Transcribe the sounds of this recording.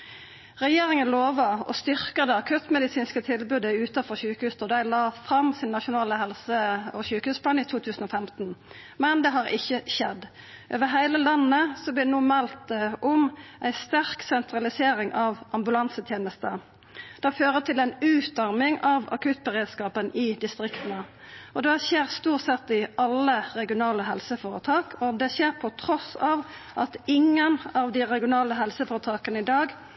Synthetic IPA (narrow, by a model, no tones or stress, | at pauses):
ʁɛjeːʁɪŋənloːʋɑɔ̰st̪ʏʁkɑd̪əɑkʰʉt̪mɛd̪ɪsiːnskət̪ʰɪlbʉːd̪əʉːt̪ɑfɔʁçʉːkəhʉːst̪ɔd̪æɪlɑːfʁɑmsɪnːɑʃʊnɑːləhɛlsəɔçʉːkhʉːspʰlɑːniːt̪ʰuːt̪ʰʉːsən̩ɔːfɛmt̪n | mɛnd̪ɛɦɑːʁɪ̰çːəʃɛd̪ | ʔøːʋəɦæɪləlɑnːəsɔblɪnuːmɛlt̪ɛʔʊmʔæɪst̪æʁksɛnt̪ʁɑlɪseːɾɪŋʔɑʋʔɑmbʉlɑnsət̪ʰjeːnəst̪ə | d̪̥ɛføːʁət̪ʰɪlæɪnʉːt̪ɑʁmɪŋɑʋɑ̰kʰʉːt̪̚bəʁeːd̪skɑːpənɪd̪ɪst̪ɾɪkt̪ənə | ɔd̪ɛçeːʁst̪uːʁsɛt̪ːɪʔɑlːəɾɛɡɪʊnɑːləɦɛlsəfoːɾət̪ʰɑːkʰɔd̪ɛçeːʁpʰɔt̪ʰɾɔsɑʋʔɑt̪ɪŋənɑʋd̪ɪʁɛɡɪʊnɑːləɦɛlsəfoːɾət̪ʰɑːkənəɪd̪ɑːɡ